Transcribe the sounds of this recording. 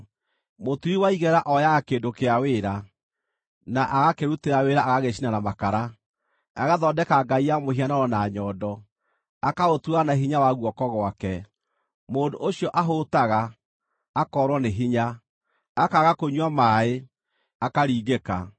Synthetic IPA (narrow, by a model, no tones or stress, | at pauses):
motuiwaiɣɛɾaʔɔjaɣakeːdokeaweːɾa | naʔaɣakeɾuteɾaweɾaaɣaɣeɕinanamakaɾa | aɣaðɔdɛkaɡaijamohianaɾɔnaɲɔːdɔ | akaotuanaɦiɲawaɣwɔkɔɣwakɛ | moːndoʔoɕiɔʔaɦotaɣaː | kɔɾwɔneɦiɲa | akaɣakoɲwamaːe | akaɾiːɣeka̰